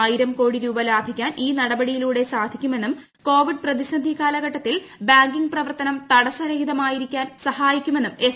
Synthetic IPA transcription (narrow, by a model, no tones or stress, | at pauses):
ajiɾɐmko̞ːɽiɾuːbɐlaːbʱikʲːaːnʔiːnɐɽɐbɐɽijiluːɽe̞saːd̪ʱikʲːume̞nːum | ko̞ːʋiɖ̚prɐðisɐnd̪ʱikaːlɐɣɐʈːɐt̪ːil | baːŋɡiŋɡprɐʋɐrt̪ɐnɐmt̪ɐɽɐsɐɾɐɦiðɐmaːjiɾikʲːaːnsɐhaːjikʲːume̞nːume̞